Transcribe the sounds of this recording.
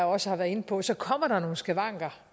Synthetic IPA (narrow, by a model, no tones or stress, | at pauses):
ɒ̽səhɑʋæɐe̝nəpʰɒ̽sɒ̽kʰɒm̰ɐɾ̥ɑ̈no̝ːn̩sɡ̥eʋɑ̈ŋ̰ɡ̥ɐ